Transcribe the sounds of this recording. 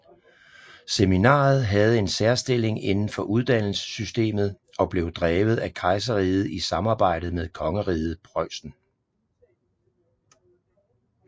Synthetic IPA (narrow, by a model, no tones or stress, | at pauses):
seminɑ̰̈ːð̞̩ˠɦæð̞̩ˠe̝nsæɐsd̥e̝le̝ŋe̝nn̩fɒ̽ʔuðˠd̥æn̰l̩sə̥sysd̥e̝̰ːmð̩ˠ | ɒ̽b̥le̝ʊd̥ʁɛːʊð̞̩ˠækʰɑ̈ɪs̬əʁiːð̩ˠisɑ̈mɑ̈ːb̥ɑ̈ɪ̰d̥ð̩ˠmeðˠkʰɒ̽ŋəʁiːð̞̩ˠpʰʁɒɪsn̩